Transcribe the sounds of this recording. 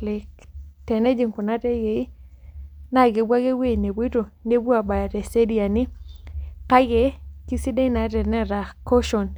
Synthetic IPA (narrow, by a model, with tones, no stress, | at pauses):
lɪ˨ktɛ˨nɛ˦d͡ʒi˨ŋku˨na˦tɛ˦ɡe˨˦ | na˦˨ɡe˨bwa˦ɡe˦we˦˨ne˨be˦to˨ne˦bu˦a˨ba˨ja˨te˨se˦di˦a˨nɪ˦ | ka˦ɡe˨˦ki˦si˦de˦na˨˦tɛ˨nɛ˦ɾa˨ko˦ʃo˨n